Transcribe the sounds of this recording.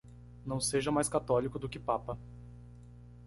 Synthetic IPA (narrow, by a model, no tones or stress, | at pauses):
nɐ̃w̃seʒɐmajskat̪ɔlikʊd̪ʊkɪpapɐ